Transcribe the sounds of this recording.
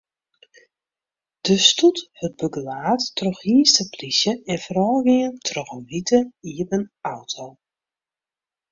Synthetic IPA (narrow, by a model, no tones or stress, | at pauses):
d̥əstuthət̚bəɡəlaːtːrɔxhiəstəplisjəɛnfəɾɔːɡɪŋəntʰrɔχəmʋitʰəiəbənawtʰow